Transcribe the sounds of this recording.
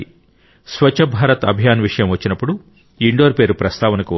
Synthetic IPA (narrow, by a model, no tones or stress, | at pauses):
sʋɐt͡ʃːɐbʱaːɾɐt̪ɐ̰bʱjaːnʋiʂɐjɐmʋɐt͡ʃːinɐpːuɽu | iɳɖoːɾpe̞ːɾupɾɐst̪aːʋɐnɐkuʋ